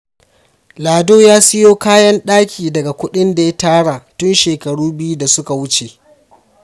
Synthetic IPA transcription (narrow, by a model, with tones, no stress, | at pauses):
laː˨doː˦jaː˦sɪ˦joː˦kaː˦jɐ˦nɗaː˦kʲiː˨dɐ˨ɡa˨kʷʊ˦ɗɪ˦nda˨ja˦taː˦ɽa˨tʊ˦nʃeː˨kɐ˨ɽuː˦bɪ˦ju˦da˨sʊ˦ka˨wʊ˦t͡ʃe˨